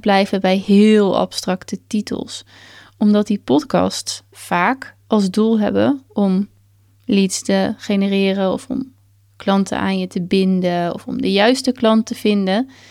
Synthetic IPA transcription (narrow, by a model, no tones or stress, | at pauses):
blɛjvəbɛjɦɪːlˠɑ̰pstrɑktətitə̰lˠs | ɔmdɑt̚dipɔtkɑ̰stsfaːkɑlˠzdulˠɦɛ̰bəɔm | litstəχejnərɪːrənɔ̰fɔ̰m | klɑntə̰a̰ːnjətəbɪndəɔ̰fɔ̰mdəjœɥstəklɑntəv̥ɪndə